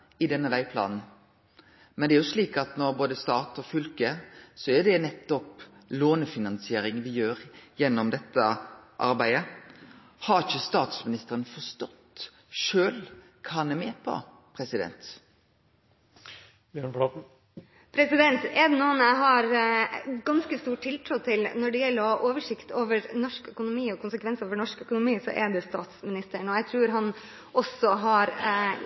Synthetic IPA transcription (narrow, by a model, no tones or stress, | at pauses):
ɪd̪ɛnːəʋæɪpʰlɑ̰ːnn̩ | mɛnd̪ɛæɾjʊsliːkɑt̪nɔɾboːd̪əst̪ɑːt̪ɔfʏlkəsɔæd̪ɛnɛt̪ːɔp | loːnəfɪnɑnsɪeːɾɪŋʋɪjøːɾjɛnːɔmd̪ɛt̪ːəʔɑ̰ɾbæɪə | hɑɾçəst̪ɑːt̪smɪnɪst̪əɾənfɔɾst̪ɔt̪ː | ʃøːl | kʰɑːnɛmeːpʰɔ̰ | pʰɾɛsɪd̪ɛ̰nt̪ | bjøɳpɑ | pʰɾɛsɪd̪ɛnt̪ɛɖ̪ɛnuːnæɪɦɑɾ | ɡɑnskəst̪uːʈʰːɪlt̪ʰɾuːt̪ʰɪlnɔɖɛjɛlːəɾɔʔoːʋəʂɪkt̪oːʋəɾnɔʂkœkʊnʊmiːɔkʰʊnsəkʰʋɛnsoːʋəɳɔʂkœkʊnʊmiːsɔ̰ʔɛɖ̪ɛst̪ɑːt̪smɪnɪst̪əɳɔjæɪt̪ʰɾʉːɾɦɑn | ʔɔsːɔɦɑɾ